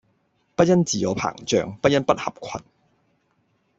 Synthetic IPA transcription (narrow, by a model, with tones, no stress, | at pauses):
pɐ˥t̚jɐ˥nt͡siː˨jɔː˨˧pʰa̰ː˨˩ŋt͡ʃœː˨˧ŋpɐ˥t̚jɐ˥npɐ˥t̚hɐ̰˨p̚kʰɐ˨n